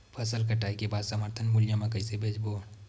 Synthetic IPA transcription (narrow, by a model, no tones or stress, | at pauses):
pʰɐsəlkɐʈaːikebaːd̪səməɾt̪ʰənmʊlijãmẽkɐɪsebʱeːd͡ʒbo